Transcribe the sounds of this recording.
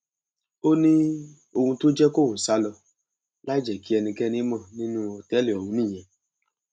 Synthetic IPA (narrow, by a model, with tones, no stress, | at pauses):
o˦nĩ˦ | o˧hũ˧to˦d͡ʒɛ˦ko˦wo˨sa˦lɔ˧ | la˦d͡ʒɛ˨ki˦ɛ˧nĩ˧kɛ˦ni˦mɔ̃˦˨nĩ˦nũ˦ɔ˨tɛ˦li˨ɔ˨ũ˧nĩ˦˨ɛ̃˧˨